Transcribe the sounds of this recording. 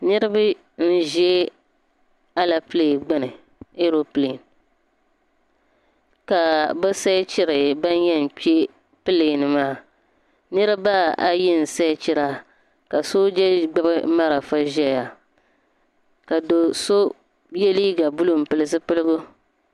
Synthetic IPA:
nɨ˦ɾɨ˦ba˦ | n̩˦ʒɛ˦ | a˦la˨pɨ˦leː˨ɡ͡ba˦nɨ˨ | e˦ɾo˦ple˨n | ka˨bɛ˦sa˦t͡ʃɪ˦ɾɨ˨ba˦n˦jɛ˦n˨pi˦e˦ | pɨ˦le˨ɡnɨ˨maː˦˨ | nɨ˦ɾɨ˦ba˦a̰˨jɪ˦n̩˨sa˦t͡ʃɪ˦ɾa˦ | ka˨so˦d͡ʒɛ˦ɡ͡ba˦bɨ˦ma˦ɾa˨fa˦ʒɛ˦ja˨ | ka˨do˨so˦ | jɛ˦liː˦ɡa˨bu˦lu˨m˨pɨ˦lɨ˦s̬ɨ˦pɨ˦lɨ˦ɡʊ˦

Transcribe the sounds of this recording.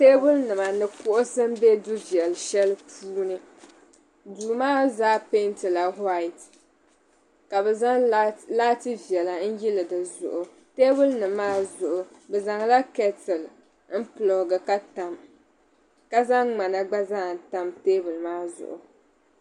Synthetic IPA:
teː˦bʊ˦lnɨ˨ma˨nɨ˨kʊ˦ʔʊ˦sɨ˦m˦bɛ˦du˦vjɛ˨lʃɛ˦lpʰuː˦nɨ˦ | duː˨maː˦zaː˦pe˦ntɨ˨la˨hwa˦ɪ˨t | ka˨bɛ˨za˦ŋlaː˦tɨ˦vi˨ɛ˨la˨n̩˦ji˦lɨ˨dɨ˨zʊ̰˨ʔʊ˨ | teː˦bʊ˦lnɨ˨mːaː˦zʊ˨ʔʊ˨ | bɛ˨za˨ŋla˦kɛ˦tɨ˨l | n̩˦pɨ˨lo˨ɡɨ˨ka˦ta˨m | ka˦za˦ŋŋ͡ma˨na˨ɡ͡ba˦za˦˨n˨ta˦mteː˦bʊ˨lmaː˦zʊ̰˨ʔʊ̰˨

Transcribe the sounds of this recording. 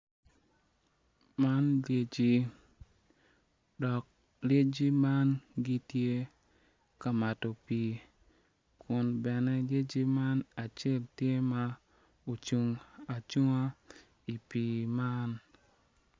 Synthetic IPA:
ma˦nlje˨d͡ʒi˦ | ɗɔ˨k̚ | lje˦d͡ʒi˦ma˦nɡi˦tje˦ | ka˨ma˨to˨pi˨ | kʰʊ˨nbɛ˨nɛ˦lje˦d͡ʒi˦ma˦na˨t͡ʃe˦˨ltje˦ma˦ | o˨t͡ʃu˦ŋa˨t͡ʃu˦ŋa˦ | i˨pi˨ma˦n

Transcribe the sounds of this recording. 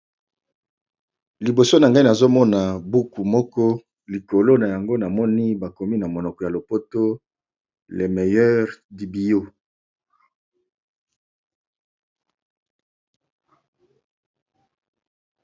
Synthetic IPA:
li˨bo˨so˦na˨ŋɡa˦i˦na˨zo˦mɔ˦na˨bu˦ku˨mɔ˦kɔ˦ | li˨ko˨lo˦na˨ja˨ŋɡo˦na˨mɔ˦ni˦ba˨ko˨mi˦na˨mo˨nɔ˨kɔ˨ja˨lo˨po˦to˦ | le˨me˨jɛ˦ʁdi˨bi˨jo˦

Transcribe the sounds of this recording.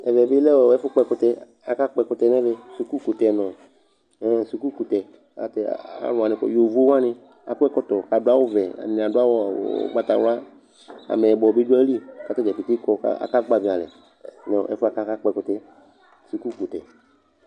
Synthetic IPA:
ɛ˨vɛ˨bɪ˦lɛ˦wo˨ɛ˦fʊ˦k͡pɛ˧˨kʊ˨t̪ɛ˧ | a˨ka˦k͡pɛ˨kʊ˨t̪ɛ˨nɛ˦ve˦su˨ku˦ku˨t̪ɛ˨nɔ̃˨ | ɛ˦˨su˨ku˦ku˨t̪ɛ˨ | a̰˨t̪ɛ˨a̰˦lʊ̃˨a˨nɪ̃˨kɔ̰˨jo˨vo˦wa˦nɪ̃˦ | a̰˨ku˦ɛ˦kɔ˦t̪ɔ˨ka˨dʊ˦a˦wo˦vɛ˨a̰˨nĩ˨a˨dʊ˦a˦wɔ̰˦˨˦ɡ͡ba˨t̪a˨wa˦ | a̰˨mɛ˨bɔ˨bi˦du˦ɛ˦li˦˨ka˨t̪ɛ˦d͡ʒɛ˨i˨t̪i˦kɔ˦ka̰˦a̰˨ka˦ɡ͡ba˨vĩ˨a˨lɛ̰˨ | nɛ̰˨ɛ̰˦fa˨ka˦ka˦k͡pɛ˨kʊ˨t̪ɛ˦ | su˨ku˦ku˨t̪ɛ̰˨

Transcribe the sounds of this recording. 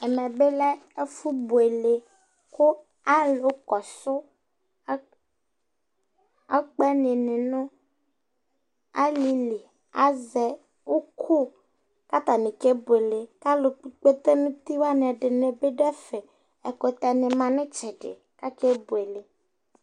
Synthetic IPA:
ɛ˨mɛ˨be˦lɛ˦e˦fu˦bu˨e˨le˨ | kʊ˦ | a˦lʊ˨kɔ˨sʊ˦ | a˦k͡pɛ˦nɪ˨nɪ̃˨nʊ̃˦ | a˦li˨li˨ | a˦zɛ˨ | ʊ˦kʰʊ˦ | ka˦t̪a˨nɪ̃˨ke˦bʊ˨e˨le˨ka˦lʊ˨˦k͡pe˦t̪e˦nũ˦t̪i˦wa˦nɪ̃˨ɛ˨ɖɪ˨nẽ˨be˦ɖɛ˦fɪ˨ | ɛ˨ko˨t̪ɛ˨nɪ̃˨mã˨nɪ̃˦t͡ʃɛ˨ɖɪ̰˨ | ka˦ke˦bʊ˨e˨le˨

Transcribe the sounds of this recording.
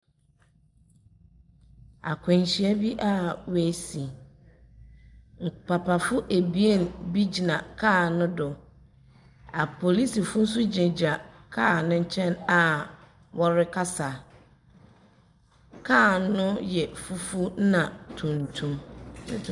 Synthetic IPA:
a̰˨kʰɛ̃˨ɲ˨ɕi˨˦a˦bi˦ʔa˦we˨si˨ | ŋ̩˨k͡pa˨pʰa˨fʊ˦ʔe˨bi˦e˦˨nbi˦d͡ʑi˨nã˨kʰaː˦˨nʊ̃˦dʊ˨ | a˨pʰo˨li˦si˨fʊ˦n̩˦s̬ʊ˦d͡ʑɪ̃˨d͡ʑa˨kʰaː˦˨nʊ̃˦ɲ̩˦t͡ɕʰɛ̃˦na˨ | wʔɔ˦ɾɪ˦kʰa˦sa˨ | kʰaː˦˨nʊ̃˦jɛ˨fu˦fu˦n˦nã˨tʰũ˨n˨tʰũ˦m

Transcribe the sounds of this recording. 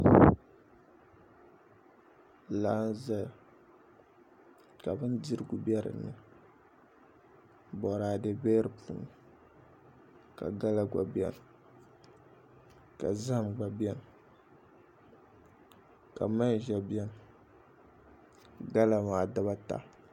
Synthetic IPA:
laː˦n˦za˦l | ka˨bɨ˦ndi˦ɾɨ˨ɡu˨bɛ˦ɾɨ̰˨nɨ˨ | bɔ˨ɾaː˨dɨ˨bɛ˦ɾɨ˨pʰṵː˨˦nɨ˨ | ka̰˨ɡa˦la˦ɡa̰˨bjɛ̰˦n˨ | ka˨za˦hmɡ͡ba˨bɛ˦n˨ | ka˨ma˦n˨ʒɛ˨bjɛ˦n˨ | ɡa˦la˨maː˨da˦βa˦ta̰˦

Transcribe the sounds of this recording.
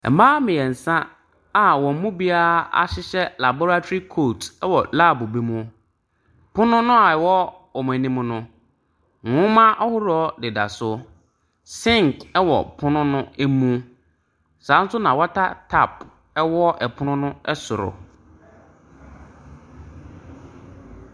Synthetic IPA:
ɛ̰˨mãː˦mɪ̃˨jɛ˨n̩˨sã˦ | a˨wɔ̃˨m̩˦mũ˦bi˦a˦a̰˦ɕɪ˦ɕɛ˦la˨bo˦ɾa˦tʰo˦i˦kʰo˦˨tʰɛ˦wɔ˨la˦˨bʊ˨bi˦mũ˦˨ | pʰʊ̃˦nʊ̃˦nʊ̃˦a˨ɛ˨wɔ˦ | ɔ˨mã˨nĩ˦mnʊ̃˦ | ŋʊ̃˦mã˦ʔa˦hʊ˦ɾɔ˦dɪ˨da̰˨sʊ˦ | sɪ̃˦ŋ˨kɛ˦wɔ̰˨pʰʊ˦nʊ̃˦nʊ̃˦æ˦mũ˦ | sã˨˦n̩˦sʊ˦nã˨wɔ˦tʰa˦tʰa˦˨p | ɛ˦wɔ˦ʔɛ˨pʰʊ˦nʊ̃˦nʊ̃˦ɛ˦sʊ˨ɾʊ̰˨

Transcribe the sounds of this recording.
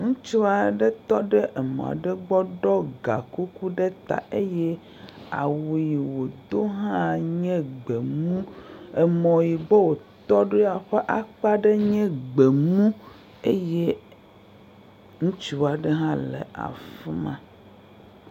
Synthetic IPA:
ŋũ˦t͡ʃi˦wa˨ɖe˦t̪ɔ˦ɖe˦ʔe˨mɔ̰̃˨a̰˨ɖe˦ɡ͡bɔ˦ɖɔ˦ɡa˨ku˦ku˦ɖe˦t̪a̰˨e˦je˦ | a̰˨wu˨ji˨wo˨d̪o˦ɦã˦ɲɛ̃˦ɡ͡be˨mũ˦e˨mɔ̃˨ji˨be˦wo˨ | t̪ɔ˦ɖo˦a˨ɸe˦ʔa˦k͡pa˦ɖe˦ɲɛ̃˦ɡ͡be˨mũ˦ | e˦je˦ | ŋũ˦t͡ʃi˦wa˨ɖe˦ɦã˦lḛ˨a̰˨fi˦mã̰˦

